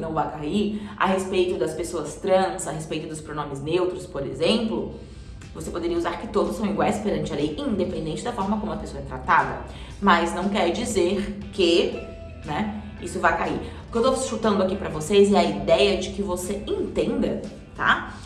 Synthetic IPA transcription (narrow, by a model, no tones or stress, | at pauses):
nɐ̃w̃vajkaiɾɐ̰hespejt̪ʊd̪ɐspesoɐst̪ɾɐ̃sɐɦespejt̪ʊd̪ʊspɾonõmɪznewt̪ɾʊspoɾḛzẽmplʊ | vosepod̪eɾiɐuzaɾkɪt̪od̪ʊsɐ̃w̃iɡwajspeɾɐ̃nt͡ʃɪɐlejĩd̪epẽnd̪ẽnt͡ʃɪd̪ɐfɔɾmɐkõmʊ̃ɐpesoɐɛt̪ɾat̪ad̪ɐ̰ | mɐznɐ̃w̃kɛɾd͡ʒizeɾkɪ | nɛ | isʊvajkaiɾpkewt̪oʃut̪ɐ̃nd̪ʊakipɾɐvosezɛɐid̪ɛjɐd͡ʒɪkɪvoseẽnt̪ẽnd̪ɐ | t̪a̰